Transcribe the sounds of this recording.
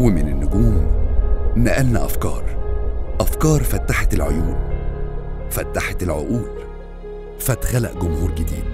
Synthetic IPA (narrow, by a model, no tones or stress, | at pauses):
wmɪnɪnːʊɡuːm | næʔælnæʔæfkɑ̰ːɾˤʔæfkɑːɾˤfæt̪ːaħat̪elʕojuːn | fæt̪ːaħat̪elʕo̰ʔuːl | fæt̪xælæ̰ʔɡʊmhuːɾɡɪd̪ḭːd̪̚